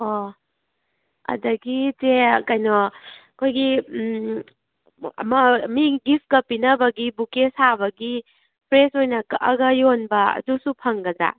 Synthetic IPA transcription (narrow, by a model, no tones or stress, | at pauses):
o | ɐ̰dɐɡitekajnɔkʰojɡi | ɐ̰mɐmiɡip̚ʰkɐpːinɐbɐɡibukesaβɐɡi | pʰɾesojnɐkʔɐɡɐjonbɐɐ̰dusupʰɐŋɡɐza̰